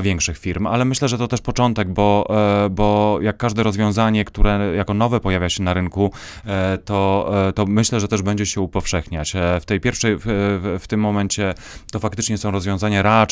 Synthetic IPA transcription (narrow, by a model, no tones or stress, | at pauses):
vʲjɛŋkʂɘxfʲiɾma̰lɛmɘɕlɛʐɛt̪ɔt̪ɛʂpɔt͡ʂɔn̪t̪ɛɡ̚bɔbɔjakːaʐd̪ɛɾɔzvʲjɔ̃w̃zaɲɛkt̪uɾɛjakɔn̪ɔvɛpɔjavʲjaɕɛnaɾɘŋku | t̪ɔt̪ɔmɘɕlɛʐɛt̪ɛʐbɛɲd͡ʑɛɕɛupɔfʂɛxɲat͡ɕft̪ɛjpʲjɛɾfʂɛjft̪ɘmːɔmɛɲt͡ɕɛ | t̪ɔfakt̪ɘt͡ʂɲɛsɔ̃w̃ɾɔzvʲjɔ̃w̃zaɲaɾa